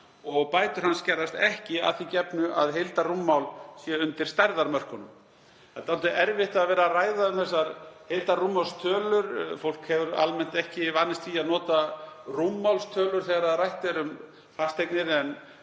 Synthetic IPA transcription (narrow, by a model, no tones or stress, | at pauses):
ɔɣpaːjt̪ʏɾ̥hanscɛrðast̪ɛhcɪa̰θicɛpnʏʔa̰ðɦejlt̪arumːawlsjɛʏnt̪ɪɾ̥st̪aɾðaɾmœr̥kʏnʏm | θɛt̪at̪ʏʔɛɾvɪht̪aðvɛːɾaraːjðaʏmθɛsːaɾhejlt̪arumːawst̪ʰœːlʏɾfowl̥khɛvʏɾa̰lmɛn̥t̪ɛhcɪvanːɪst̪fiːaðnɔːt̪arumːawlst̪ʰœːlʏɾ̥θɛːɣaɾaðrajht̪ɛɾʏm | fast̪ʰːejknɪðɛn